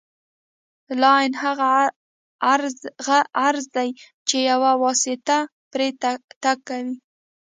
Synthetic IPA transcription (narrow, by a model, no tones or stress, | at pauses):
lɑjnhaɣa | ɾɣaaɾzd̪aj | t͡ʃejawawɑsɪt̪a | pɾett̪akːawi